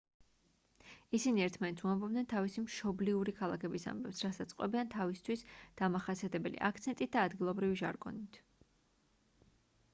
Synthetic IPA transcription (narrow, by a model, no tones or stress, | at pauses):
isiniɛɾt̪ʰmannt̪sʰuambɔbd̪nɛnt̪ʰavisimʃɔbliuɾikʰalˠa̰kʰɛbisa̰mbɛpsɾasat̪sʼqʼwɛ̰biant̪ʰavist̪ʰwisd̪̥amaχasiat̪ʰɛbɛlḭʔa̰kʰt̪sʰɛnt̪ʼit̪̚d̪̥aːd̪ɡilˠɔbɾiviʒaɾɡɔ̰nit̪ʰ